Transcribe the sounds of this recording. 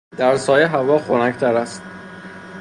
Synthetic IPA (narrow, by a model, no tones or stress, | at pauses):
d̪̥æɾsɒːjeɦævɒːxonæct̪ʰæɾæst̪̚